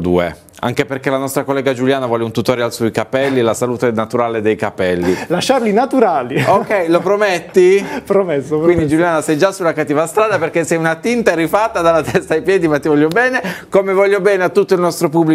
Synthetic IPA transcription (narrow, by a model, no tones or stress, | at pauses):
d̪ṵːḛ | a̰ŋkeperk̟elanɔst̪ɾakolːɛːɡad͡ʒuljaːnavwɔːleunt̪ut̪oːɾealsoikapɛlːilasaluːt̪enat̪uɾaːled̪ejkapɛlːilaʃːarlinat̪uɾaːliokːɛjlopɾomet̪ːipɾomesːowind̪id͡ʒuljaːnasɛjd͡ʒasːulːakat̪ːiːvast̪ɾaːd̪aperkesːɛjunat̪int̪aɾifat̪ːad̪alat̪ɛst̪ajpjɛːd̪imat̪ːivɔʎːjobɛːnekomevɔlːobɛːneat̪ːut̪ːoilnɔst̪ɾopubːli